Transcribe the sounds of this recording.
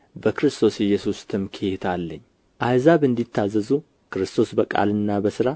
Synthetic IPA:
bəkʰɨɾɨst̪ʰo̞sɛjːɛsust̪ʰɨmkʰet̪ʰalːəɲː | ʔajzaβɨnd̪it̪ʰːazːəzu | kʰɨɾɨst̪ʰo̞sbəkʼa̰lɨnːabəsɨɾa

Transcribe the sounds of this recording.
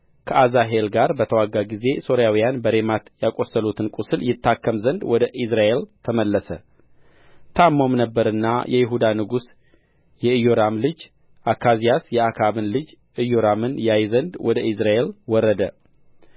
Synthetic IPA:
kʰəʔazaɦe̞lɡaɾbət̪ʰəwaɡaɡize̞so̞ɾjawijanbəɾe̞mat̪jakʼo̞sːəlut̪ʰɨnkʼusɨljɪt̪ʰːakːəmzənd̪wɔd̪əʔisɾaʔe̞lt̪ʰəməlːəsə | t̪ʰamːo̞mnəbːəɾɨnːa̰jʔɛjɪɦud̪anɨɡus | jɛɨjoɾamlɨd͡ʒ | ʔakʰːazijasjɛakʰaβɨnlɨd͡ʒ | ʔɨjoɾamɨnjajzənd̪wɔd̪əʔisɾaʔe̞lwɔɾːəd̪ə

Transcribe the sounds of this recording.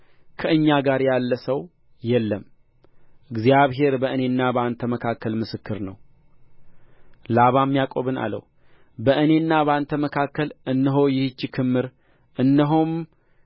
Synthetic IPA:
kʰəɨɲːaɡaɾjalːəsəw | jɛlːəm | ʔɨɡzijaβɦe̞ɾbəɨne̞nːabəant̪ʰəməkʰakːəlmɨsɨkːɨɾnəw | laβamːijakʼo̞βɨna̰lə̰w | bəʔɨnenːaβəant̪ʰəməkʰakːəlʔɨnːɨɦo̞jɪht͡ʃːɪkʰɨmːɨɾ | ʔɨnːɦom

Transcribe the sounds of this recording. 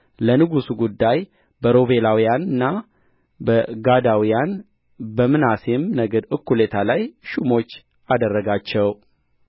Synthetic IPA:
lənɨɡusuɡud̪ːaj | bəɾo̞βe̞lawijanɨnːa | bəɡad̪awijan | bəmɨnasemnəɡəd̪ɨkːule̞t̪ʰalajʃumo̞t͡ʃː | ʔad̪ərːəɡat͡ʃːɛw

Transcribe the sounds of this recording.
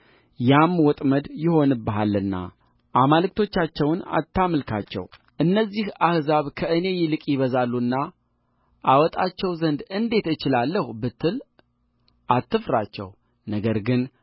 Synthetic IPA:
jamwɔt̪ʼməd̪jɪho̞nɨbəɦalːɨnːa̰ | ʔamalɨk̚t̪ʰo̞t͡ʃːat͡ʃːɛwna̰t̪ːaməlkʰa̰t͡ʃːɛ̰w | ʔɨnːəzːihahzaβkʰəʔɨne̞jɪlɨkʼjɪβəzalːunːa | ʔawɔt̪ʼat͡ʃːɛwzənd̪ɨnd̪e̞t̪ɨt͡ʃɪlalːəhbɨt̪ʰːɨl | ʔat̪ːɨfɾat͡ʃːɛ̰w | nəɡəɾɡɨn

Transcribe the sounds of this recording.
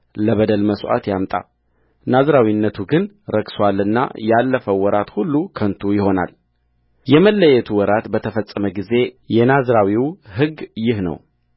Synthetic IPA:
ləβəd̪əlməswʔa̰t̪jamt̪ʼa̰ | nazɾawinːət̪ʰuɡɨn | ɾəɡsowalːɨnːa̰jalːəfəwɔɾat̪hulːukʰənt̪ʰujɪho̞na̰l | jɛməlːəjɛt̪ʰuwɔɾat̪bət̪ʰəfəsʼːəməɡize̞jɛnazɾawiwɦɨɡjɪhnə̰w

